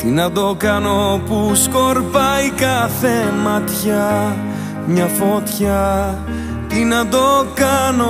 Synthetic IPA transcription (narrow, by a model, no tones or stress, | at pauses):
t̪inɐd̪o̞kɐno̞puskoɾpɐjkɐθe̞mɐt̪çɐ | mɲɐfo̞t̪çɐ | t̪inɐd̪o̞kɐno